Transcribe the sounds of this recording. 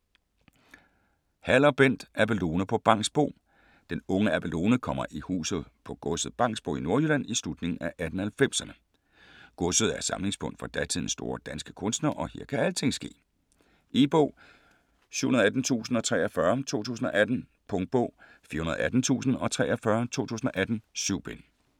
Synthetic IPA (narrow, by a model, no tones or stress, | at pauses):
hæl̰ɐb̥en̰d̥ʔæb̥elo̝ːnəpʰɒ̽b̥ɑ̈ŋ̰sb̥o̝̰ː | d̥enɔ̽ŋəæb̥ʰelo̝ːnəkʰɒ̽m̰ɐʔihṵːsð̩ˠpʰɒ̽ɡ̥ɔ̽sð̞̩ˠb̥ɑ̈ŋ̰sb̥o̝̰ːino̝ɐjylæn̰islud̥ne̝ŋn̩æʔæd̥n̩hælfem̰sɐnə | ɡ̥ɔ̽sð̞̩ˠæɐsɑ̈mle̝ŋsb̥ɔ̽ŋ̰d̥fɒ̽d̥æt͡sʰið̰ˠn̩sːd̥o̝ːɐd̥ænsɡ̥ə̥kʰɔ̽nsd̥nɐʔɒ̽he̝ɐ̰kʰæælət͡sʰe̝ŋ̰sɡ̥e̝̰ː | ʔe̝ːb̥ɔʊ̰ | sy̰hunɐð̩ˠæd̥n̩t͡sʰṵːsn̩ɒ̽t͡sʰʁɛːɐfɶɐt͡sʰo̝̰ːt͡sʰṵːsn̩ɒ̽ʔæd̥n̩ | pʰɔ̽ŋd̥̚b̥ɔ̽ʊ | fḭɐhunɐð̩ˠæd̥n̩t͡sʰṵːsn̩ɒ̽t͡sʰʁɛːɐfɶɐt͡sʰo̝̰ːt͡sʰṵːsn̩ɒ̽ʔæd̥n̩syʊ̰b̥en